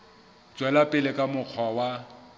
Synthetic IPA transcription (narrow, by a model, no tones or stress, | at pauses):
d͡ʒwɛlapʼɪlɪkʼamʊq͡χʰwawa